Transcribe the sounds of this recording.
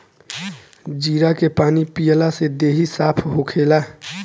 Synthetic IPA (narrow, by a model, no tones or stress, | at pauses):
d͡ʒiːɾakepaːnipijəlased̪eːɦisaːpʰɦokʰeːla